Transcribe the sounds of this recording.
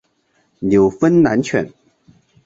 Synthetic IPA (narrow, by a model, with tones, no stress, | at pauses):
ljo˨˩ʊfə˥nna̰˧˥nt͡ɕʰɥɛ̰˧˩n